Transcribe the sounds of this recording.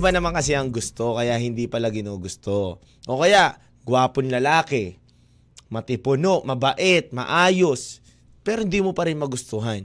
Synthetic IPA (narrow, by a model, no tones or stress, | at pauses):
banɐmankɐs̬ɛʔɐŋɡʊst̪o̞kɐjaʔɦɪnd̪ipɐlaɡɪnoːɡʊst̪o | ʔo̞kɐjaʔ | ɡwaːponlɐlaːkɛ | mɐt̪ɪpʊnoʔmɐbɐʔɛt̪̚mɐ̰ʔaːjo̞s | pɛːɾohɪnd̪iːmopɐɾɪnmɐɡʊst̪ʊɦan